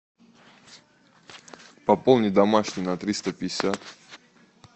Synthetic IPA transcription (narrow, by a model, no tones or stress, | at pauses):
pɐpolˠnʲɪd̪ɐmaʂnʲɪnɐt̪ɾʲist̪əpʲɪɪsʲat̪